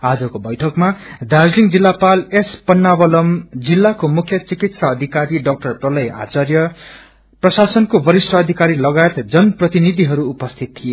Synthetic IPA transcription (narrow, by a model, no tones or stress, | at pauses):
ad͡zʌkobʌjʈʰʌkmad̪ad͡zliŋd͡zilːapalespʌnːabʌlʌmd͡zilːakomukʰjʌt͡sikit̪saːd̪ʱikaɾiɖʌk̚ʈʌrprʌlʌja̰t͡sʌrjʌ | prʌsasʌnkobʌɾisʈʌːd̪ʱikaɾilʌɡajet̪d͡zʌnprʌt̪inid̪ʱiɦʌɾuːpʌst̪ʰit̪̚t̪ʰːije